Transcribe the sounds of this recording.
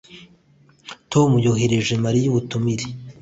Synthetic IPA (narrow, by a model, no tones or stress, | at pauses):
tʰo̞mujoheɾeʒemaɾijuβutumiɾe